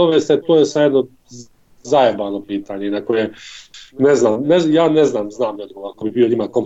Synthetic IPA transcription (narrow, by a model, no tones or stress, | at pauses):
oʋest̪et̪oːjesamjed̪no | zajebaːnopiːt̪aːɲeinakoje | neznaːmnejaːneznaːmznaːmjod̪ɡoakobibio̞ɲimakom